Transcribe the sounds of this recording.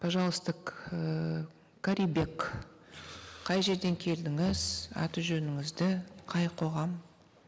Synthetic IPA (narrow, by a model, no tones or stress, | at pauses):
pʰaʒɑlˠəst̪əqə | kʰaɾʲibe̞k | ɑjʒe̞ɾd̪e̞ŋkʲʰe̞ld̪ɪŋɪzɑ̰t̪əʒɵnɪŋɪzd̪ɪqʰɑjqʰo̞ʁɑm